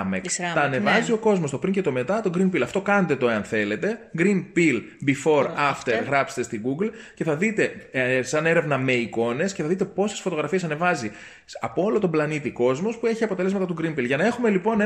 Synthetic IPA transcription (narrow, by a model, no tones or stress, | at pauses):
mekθɐːne̞vɐzio̞ko̞zmo̞st̪o̞pɾiɲce̞t̪o̞me̞t̪ɐt̪o̞ɡɾinpilɐft̪o̞kɐnet̪e̞t̪oe̞ɐnθe̞le̞t̪e̞ɡɾinpilbifo̞ɾɐft̪eɾɣɾɐpset̪est̪iɡuɡlce̞θɐðit̪e̞sɐne̞ɾe̞vnɐme̞iko̞ne̞sceθɐðit̪e̞po̞sesfo̞t̪o̞ɣɾɐfiesɐne̞vɐzi | ɐpoolo̞t̪o̞mblɐnit̪iko̞zmo̞spue̞çiɐpot̪ele̞zmɐt̪ɐt̪uɡɾinpilʝɐnɐe̞xume̞lipo̞ne